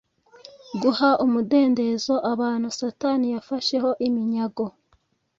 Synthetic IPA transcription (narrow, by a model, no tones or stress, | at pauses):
ɡuhaʔumude̞ːnde̞zo̞ʔaβaːn̥husatanijafaʃe̞ho̞ʔimiɲaɡo̞